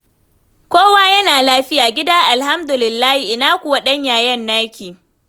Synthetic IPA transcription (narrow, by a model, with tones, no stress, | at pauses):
kʷoː˦waː˦jɐ˦naː˨laː˦ɸɪ˦jaː˨ɡʲɪ˦daː˦ʔa˨lɦa˦mdʊ˨lɪ˨lːaː˦hi˨ʔɪ˨naː˦kʷʊ˨wa˦ɗɐ˦ɲjaː˨jɐ˦nːaː˦kʲiː˨